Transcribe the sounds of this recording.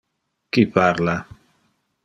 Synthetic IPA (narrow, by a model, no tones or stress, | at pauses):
kipaɾla